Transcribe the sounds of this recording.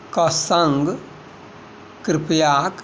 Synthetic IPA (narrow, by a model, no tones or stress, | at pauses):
kɔsɐŋɡ | kɾɪpjaːk